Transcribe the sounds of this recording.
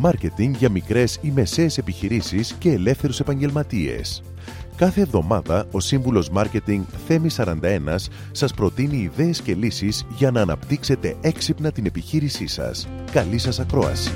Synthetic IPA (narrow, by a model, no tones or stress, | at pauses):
mɐɾce̞t̪iŋʝɐmikɾe̞sime̞se̞ːse̞piçiɾisisce̞ːle̞fθe̞ɾuse̞pɐɲɟe̞lmɐt̪ie̞̰s | kɐθe̞ːvðo̞mɐðɐo̞siɱvulo̞zmɐɾce̞t̪iŋɡθe̞misɐɾɐnd̪ɐe̞nɐsː | ɐspɾo̞t̪iniːðe̞ːsce̞lisizʝɐnɐːnɐ̰pt̪ikse̞t̪e̞ʔe̞ksipnɐt̪ine̞piçiɾisisɐ̰s | kɐlisɐsɐkɾo̞̰ɐ̰si̥